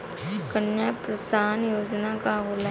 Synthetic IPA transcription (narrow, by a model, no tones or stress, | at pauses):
kənjapɾəsaːnjoːd͡ʒnakaɦoːla